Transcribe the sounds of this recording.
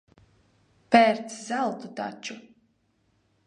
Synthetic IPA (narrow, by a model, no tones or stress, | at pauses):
pɛɾt̪szalˠt̪ut̪a̰t͡ʃu